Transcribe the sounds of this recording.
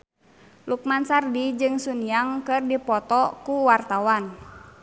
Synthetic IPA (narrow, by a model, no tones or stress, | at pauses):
luk̚mansardid͡ʒɨŋsunijaŋkɨrdipɔt̪ɔkuwart̪awan